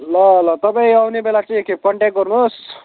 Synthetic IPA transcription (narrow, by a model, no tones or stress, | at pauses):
lʌlʌt̪ʌpaĩawnebelat͡saj̃ekepʌɳʈek̚ɡʌrnos